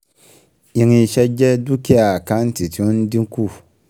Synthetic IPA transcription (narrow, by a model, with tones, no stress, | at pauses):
ji˨ŋi˨ʃɛ˦d͡ʒɛ˦du˦ki˦a˨ka˦n˦ti˨ti˨˦n˦di˦ŋ˦ku˦˨